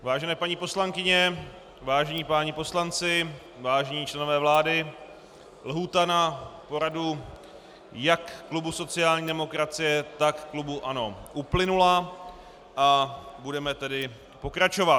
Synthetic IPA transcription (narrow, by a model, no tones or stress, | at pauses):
vaːʒɛnɛːpaɲiːpo̞slaŋkɪɲɛ | vaːʒɛɲiːpaːɲɪpo̞slant͡sɪ | vaːʒɛɲiːt͡ʃlɛno̞vɛːvlaːdɪ | lɦuːt̪anapo̞ɾadu | jakːlubusot͡sɪjaːlɲiːdɛmo̞kɾat͡sɪjɛt̪akːlubuʔano̞ʔuplɪnula | ʔabudɛmɛt̪ɛdɪ | po̞kɾat͡ʃo̞vat